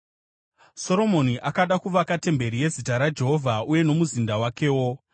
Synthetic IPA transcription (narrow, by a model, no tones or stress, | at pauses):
so̞ɾo̞mo̞niʔakaɗakuʋakate̞mbe̞ɾije̞zitaɾad͡ʒe̞ɦo̞vʱauje̞no̞muzindawake̞ːwo̞